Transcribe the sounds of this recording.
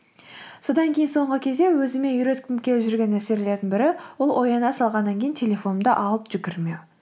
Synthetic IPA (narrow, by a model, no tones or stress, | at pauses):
so̞d̪ɑŋkʲʰejɪnso̞ɴʁəkʲʰe̞zd̪ewɵzɪme̞jʏɾe̞t̪kʲʰɪmkʲʰe̞lɪpʒʏɾɡʲe̞næse̞ɾle̞ɾd̪ɪŋbɪɾɪwʊlˠʔo̞jɑnɑsɑlˠʁɑnːɑŋkʲʰe̞jɪnt̪ʰe̞lʲe̞fo̞nəmd̪ɑʔɑlˠəpʒ̥ʏkʲɪɾmew